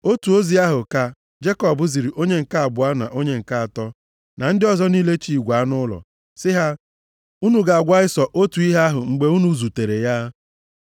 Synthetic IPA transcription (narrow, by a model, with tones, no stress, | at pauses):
o˦tu˨o˦zi˦a˦ɦʊ˨ka˨ | d͡ʒe˦kɔ˨bʊ˨˦zi˨ɾi˨ʔo˦ɲe˦ŋ̩˨ka˦a˨bʊ˨˦a˦na̰˨ʔo˦ɲe˦ŋ̩˨ka˦a˨tɔ˦ | na˨n̩˦dɪ˦ɔ˨zɔ˦niː˦le˦t͡ʃi˨i˨ɡʷa˨˦nʊ˦lɔ̰˨ | sɪ˦ɦa˦ | u˦nu˨ɡa˨a˨ɡʷa˦ɪ˦sɔ˨ʔo˦tu˨i˦ɦa˦a˦ɦʊ˨ŋ͡m̩˨ɡ͡be˦u˦nu˦zu˨te˨ɾe˨ja˦